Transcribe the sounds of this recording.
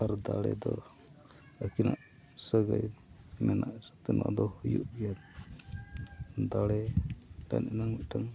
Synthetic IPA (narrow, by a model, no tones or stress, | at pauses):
aɾd̪aɽɛ̰d̪ɔ | akinaʔ | səɡaj | mɛnaʔsɔ̥t̪ɛna̰ʔd̪ɔhujṵʔɡɛjat̪̚ | d̪aɽɛɖa̰nɛnaŋmiʔʈaŋ